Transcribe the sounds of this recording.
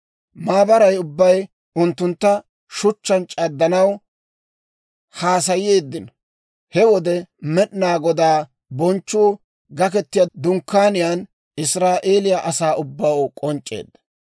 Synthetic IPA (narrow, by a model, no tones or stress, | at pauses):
maːbɐɾɐjʊbːɐj | ʊnt̪ːʊnt̪ːɐ | ʃʊt͡ʃːɐnt͡ʃʼɐd̪ːɐnɐw | haːs̬ɐjɪjeːd̪ːɪn | hɛwɔd̪ɛmɛɗnaːɡɔd̪aː | bɔnt͡ʃːuː | ɡɐkɛt̪ːɪjɐd̪ʊŋkːaːnɪjaːn | ɪsɾaːʔeːlɪjaʔɐsaːʊbːawkʼɔnt͡ʃʼːe̞̰ːd̪ːɐ̥